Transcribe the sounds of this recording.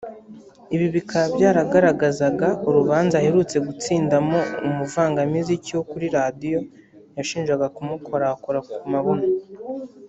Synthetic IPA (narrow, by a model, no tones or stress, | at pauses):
iβiβikʰabɟaːɾaɡaɾaɡazaɡauɾuβaːnzahe̞ɾut͡se̞ɡut͡siːndamo̞umuvaːŋɡamiziciokuɾiɾadijo̞ | jaʃiːnʒɡaɡakumukʰo̞ɾakoɾakumaβona